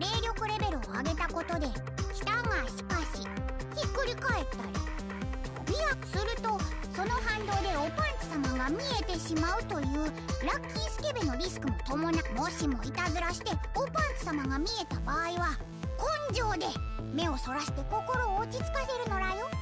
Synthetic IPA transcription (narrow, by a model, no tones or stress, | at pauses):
ɾe̞ːɾʲo̞kɯ̟ɾe̞be̞ɾɯ̟oa̰ɡe̞t̪ako̞t̪o̞d̪e̞ | çʲi̥t̪aŋaçi̥kaɕiçikːɯ̟ɾʲikae̞t̪ːaɾʲi | omʲijakɯ̟̥sɨɾɯ̟t̪o̞ | so̞no̞ɦãnd̪o̞ːd̪e̞opãnt̪i̥samaɡamʲie̞t̪e̞ɕimaɯ̟t̪o̞jɯ̟ːɾakʲːĩːɰ̃sɨ̥ke̞beno̞ɾʲisɨ̥kɯ̟mo̞t̪o̞mo̞namo̞ɕimo̞it̪azɨɾaɕi̥t̪e̞opãnt̪ɨ̥samaɡamʲie̞t̪abaːiβa | kõ̞ɲ̟d͡ʑo̞ːd̪e̞ | me̞o̞so̞ɾaɕi̥t̪e̞ko̞ko̞ɾo̞ːt͡ɕit͡sɨ̥kase̞ɾɯ̟no̞ɾajo̞